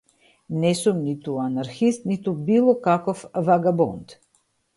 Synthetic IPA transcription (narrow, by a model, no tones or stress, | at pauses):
nɛsumnit̪uanaɾxist̪nit̪ubilˠɔkakɔfvaɡabɔnt̪